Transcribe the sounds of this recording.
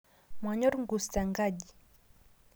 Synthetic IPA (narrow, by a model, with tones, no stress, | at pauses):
mwa˨ɲɔ˦ɾŋɡu˨sta˨ŋɡaʄi˨